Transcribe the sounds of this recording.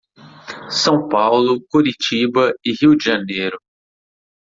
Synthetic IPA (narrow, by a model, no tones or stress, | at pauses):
sɐ̃w̃pawlʊkoɾit͡ʃibɐɪhiwd͡ʒiʒɐnejɾʊ